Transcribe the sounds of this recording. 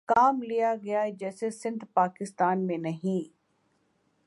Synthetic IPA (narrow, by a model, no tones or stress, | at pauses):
kaːmlijaɡɐjaɛd͡ʒɛːsesɪ̃nd̪ʱpaːkɪst̪aːnmẽnɐɦĩ